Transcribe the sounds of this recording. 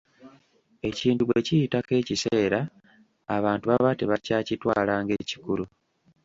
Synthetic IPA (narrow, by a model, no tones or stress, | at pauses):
e̞ciːntuβwecijitake̞ːciseːɾaː | βaːntuβaβate̞βacaːcitwaːlaːŋɡe̞ːci̥kulu